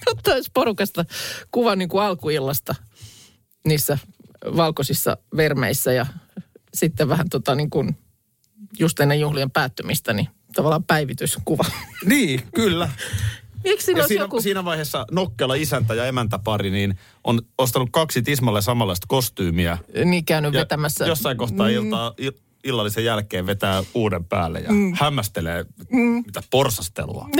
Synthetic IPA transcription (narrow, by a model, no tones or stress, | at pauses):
mut̪ːɑosporukɑst̪ɑkuʋɑniːŋkuɑlkuilːɑst̪ɑ | niːsːæ | ʋɑlkosisːɑ̰ʋermḛisːæjɑsit̪ːeʋʋæhænt̪ot̪ɑniːŋkun | just̪inːejjuhliempæːt̪ːømist̪æni | t̪ɑʋɑlːˑɑːmpæiʋit̪yskuʋɑniːkylːæ | ieksiːnɑosːjkusiːnæʋɑiheːsːɑnokːeːlɑisænt̪æjɑemænt̪æpɑɾiniːn | ʔonost̪ɑnukkɑksit̪ismɑlːesɑmɑlːɑist̪kost̪yːmiæniːkæynyʋet̪æmæsːæjosːɑiŋkohtt̪ɑːilt̪ɑːi | ilːɑlːisejjælkeːʋʋet̪æːuːdempæ̰ːlːḛjɑ̰hæmːæst̪elḛːit̪æporsɑst̪ḛlṵɑ̰